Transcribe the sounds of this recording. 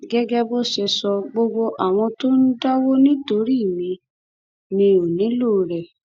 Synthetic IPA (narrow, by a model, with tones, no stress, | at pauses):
ɡɛ˦ɡɛ˦bo˦ʃɛ˧sɔ˧ɡ͡bo˧ɡ͡bo˧ʔa˨w̃ɔ̃˧to˦n̩˦da˦wo˦nĩ˦to˧˦ɾi˦˨mĩ˧ | nĩ˧o˨nĩ˨˦lo˦˨ɾɛ˨